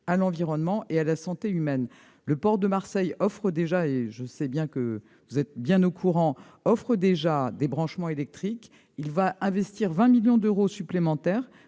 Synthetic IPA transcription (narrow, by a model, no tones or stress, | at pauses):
alɑ̃viʁɔnmɑ̃ʔealasɑ̃t̪eymɛn | ləpɔʁd̪əmaʁsɛjɔfχəd̪eʒaeʒəsɛbjɛ̃kə | vuzɛt̪̚bjɛ̃nokʰuʁɑ̃ | ɔfχəd̪eʒad̪ebʁɑ̃ʃmɑ̃elɛk̚t̪χik | ilvaʔɛ̃vɛst̪iʁvɛ̃miljɔ̃d̪øʁosyplemɑ̃t̪ɛʁ